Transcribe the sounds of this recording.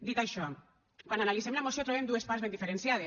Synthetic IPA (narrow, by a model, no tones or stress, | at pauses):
d̪it̪ajʃɔ | kwananalisemnaemosiot̪ɾoemd̪ue̞spaɾzβend̪ifeɾensjað̞e